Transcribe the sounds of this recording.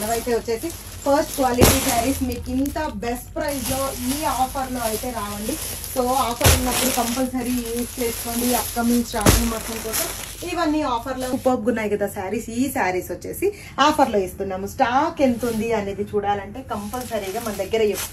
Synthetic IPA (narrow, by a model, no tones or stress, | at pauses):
nɐʋɐjt̪eːʋɐt͡ʃːe̞ːsi | pʰɐɾsʈkʋaːliʈiːsaːɾismiːkint̪ɐbesʈpɾɐjd͡ʒlo̞ːiːaːpʰɐɾlo̞ːɐjt̪e̞ːɾaːʋɐɳɖi | so̞ːaːpʰɐɾunːɐpːuɽukɐmpɐlsɐɾiuːst͡ʃeːskoːɳɖiɐp̚kɐmiŋsɾaːʋɐnmɐt̪ːɐmkɔːsɐmiʋɐnːiaːpʰɐɾloːupɐːp̚ɡunːaːjkɐd̪aːsaːɾiːsiːsaːɾiːsʋɐt͡ʃːe̞̰ːsi | aːpʰɐɾlo̞ːist̪unːaːmusʈaːkent̪ond̪iɐne̞ːd̪it͡ʃuːɽaːlɐɳʈe̞ːkɐmpɐlsɐɾiːɡaːmɐnɐd̪ɐɡːɐɾɐepː